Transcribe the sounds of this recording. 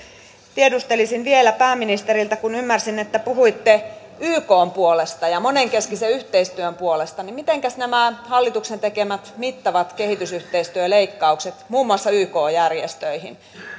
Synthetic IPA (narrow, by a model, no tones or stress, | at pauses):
t̪iedust̪elisinʋielæpæːminist̪eɾilt̪ækunymːærsinːet̪ːæpuhuit̪ːe | yːkoːmpuolest̪ɑjɑmoneŋkeskiseyht̪eist̪yømpuolest̪ɑnimit̪eŋkæsnæmæhɑlːit̪uksent̪ekemæt̪mit̪ːɑʋɑt̪kehit̪ysyht̪eist̪yøleikːɑukset̪muːmːuɑsːɑyːkoːjærjest̪øihin